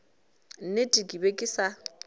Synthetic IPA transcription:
n̩netʼikʼibekʼɪsa

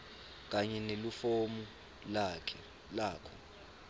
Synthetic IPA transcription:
k̬aɲɛnelufomu | lakʰɛ | laːkʰɔ

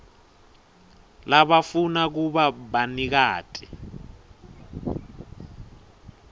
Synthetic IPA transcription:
laɓafunak̬uɓaɓanik̬aːtʼi

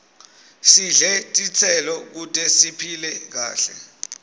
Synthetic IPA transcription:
siɮɛtʼit͡sʰɛlɔk̬utʼɛsipʰilɛk̬a̰ːɬɛ̰

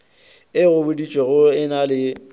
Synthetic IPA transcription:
ɪɣʊbʊdit͡ʃʼweɣʊɪnalɪ

